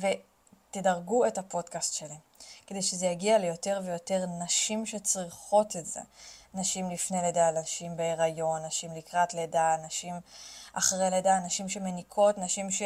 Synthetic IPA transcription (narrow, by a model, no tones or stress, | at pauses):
ve̞ | tedaʁɡuethapo̞dkastʃelemkede̞jʃezejaɡialejo̞te̞ʁvejo̞te̞ʁnaʃimʃe̞t͡sʁiχo̞tetzḛnaʃimlifneledalaʃimbeːʁajo̞nːaʃimlikʁatledanaʃimʔaχʁeledanaʃimʃe̞menikʰo̞tnaʃimʃe